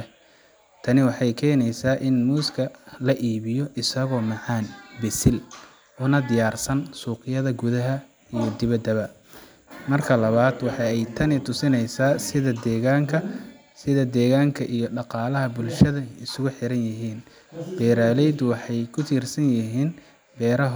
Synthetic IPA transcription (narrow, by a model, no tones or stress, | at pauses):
ɛ | t̪ʰɐnɪwɑħɑjkʰɛːnɛjsaːʔɪnmuːskʰɐlɐʔiːβɪjɔʔɪsɐɣɔːmɑʕɑːnbɛsɪl | ʔʊnɐd̪ɪjaːrsɐnsuːqɪjɐðɐɡʊðɐɦɐ | ijɔd̪ɪβɐd̪ɐβɐ | mɐrkʰɐlɐβaːd̪wɑħɑɛjt̪ʰɐnɪt̪ʰʊsɪnɛjsaːsɪðɐd̪ɛːɣaːŋkʰɐ | sɪðɐd̪ɛːɣaːŋkʰɐʔijɔɖɑqɑːlɐɦɐbʊlʃɐðɐɪsʊɣʊħɪɾɐnjɪɦiːn | b̥ɛːɾaːlɛjd̪ʊwɑħɑjkʰʊt̪ʰiːrsɐnjɪɦiːn | bɛːɾɐɦ